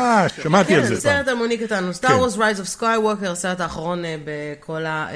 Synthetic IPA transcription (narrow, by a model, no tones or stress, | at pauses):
aʃamat̪ialzeseʁetamonikatanust̪aʁwozʁajzofskajwokeʁseʁetaːχaʁo̞nbekʰo̞la